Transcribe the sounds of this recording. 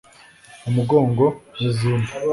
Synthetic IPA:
umuɡoːŋɡoezuːmu

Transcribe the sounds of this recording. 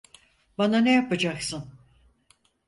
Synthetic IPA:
bananejapad͡ʒaksɯn

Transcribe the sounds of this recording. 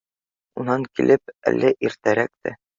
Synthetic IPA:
unɑŋkilʔɘp̚æ̰lːæʔiɾt̪æɾæk̚t̪ɘ

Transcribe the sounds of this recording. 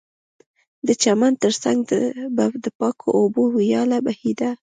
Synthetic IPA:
d̪ət͡ʃamant̪əɾsa̰ŋɡd̪əbad̪əpɑkʰo̰ʔːbowijɑlabahid̪a

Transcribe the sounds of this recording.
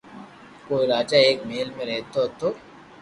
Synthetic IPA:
koːiɾaːd͡ʒaeːkmeːlmẽɾɛɦt̪ot̪oː

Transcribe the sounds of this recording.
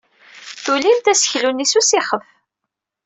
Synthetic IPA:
θulimt̪æsə̥çlunisusiχəf

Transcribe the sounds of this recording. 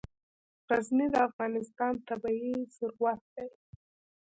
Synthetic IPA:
ɣaznid̪əafɣɑnɪst̪ɑnt̪abɑisʊɾwat̪̚d̪aj

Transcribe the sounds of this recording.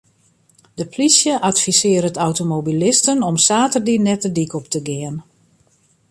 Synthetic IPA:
dəpʰlisjəʔatfisɪəɾətawtomobilɪstənɔmsaːtərdinɛtədikɔp̚təɡɪən

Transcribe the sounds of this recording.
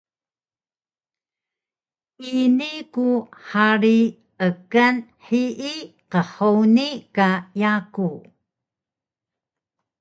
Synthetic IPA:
ʔinikuħaɾi | əkanħiʔi | qəħownikajaku

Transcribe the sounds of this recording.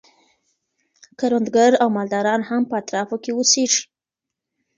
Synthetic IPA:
kaɾond̪ɡaɾawmɑld̪ɑɾɑnhampəat̪ɾɑfokewəseʒi̥

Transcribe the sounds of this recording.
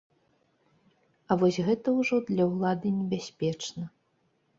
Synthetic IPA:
ɐvɔsʲɣɛt̪ɐwʐɔd̪lʲɐwlˠad̪ɨnʲɛbʲasʲpʲɛt͡ʂnɐ

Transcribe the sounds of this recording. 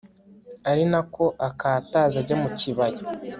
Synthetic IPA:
aɾinakʰo̞ʔakaːtaːzaɾɟamuciβaja

